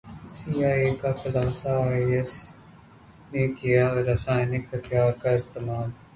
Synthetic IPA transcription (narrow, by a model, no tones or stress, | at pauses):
siːaːeːkaxɪlaːsaːes | nekijaɾɐsaːɪnɪkɦɐt̪ʰjaːɾkaɪst̪eːmaːl